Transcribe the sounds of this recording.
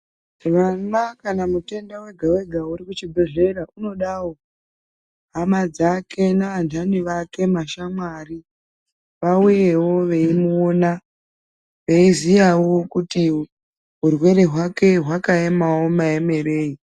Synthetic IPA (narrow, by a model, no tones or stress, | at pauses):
ʋanakanamute̞ndawe̞ɡʱawe̞ɡʱauɾikut͡ʃibʱe̞ʐe̞ɾaʔuno̞ɗawo̞ | ɦamad͡zakʰe̞naʋandʱaniʋake̞maʃamwari | ʋauje̞wo̞ʋe̞imuona | ʋe̞izijawokuti | ɦurwe̞ɾe̞ɦwake̞ɦwakaemaomaeme̞re̞ːi